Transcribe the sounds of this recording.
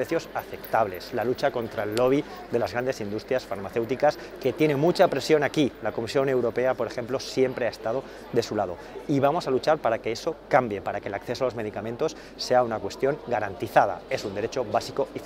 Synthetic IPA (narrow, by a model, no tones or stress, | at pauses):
ɾeθjo̞saθe̞pt̪aβle̞slalut͡ʃako̞nt̪ɾaelːo̞β̞i | ðe̞lazɣɾand̪e̞sind̪ust̪ɾjasfaɾmaθe̞wt̪ikas | ke̞t̪je̞nẽ̞mut͡ʃapɾe̞sjo̞nakilako̞misjo̞ne̞wɾo̞pe̞apo̞ɾe̞xe̞mplo̞sje̞mpɾeaest̪að̞o̞ | ðe̞sulað̞o̞ | iβamo̞salut͡ʃaɾpaɾake̞eso̞kambje̞paɾake̞lakθe̞soalo̞zme̞ð̞ikamẽ̞nt̪o̞sːe̞aunakwe̞st̪jo̞ŋɡaɾant̪iθað̞a̰e̞sund̪e̞ɾe̞t͡ʃo̞βasiko̞i